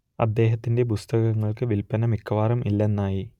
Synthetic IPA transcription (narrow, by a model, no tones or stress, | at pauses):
ɐ̰d̪ːe̞ːɦɐt̪ːinde̞pust̪ɐɣɐŋːɐɭkɨʋilpɐnɐmikʰːɐʋaːrɐmʔilːe̞nːaːji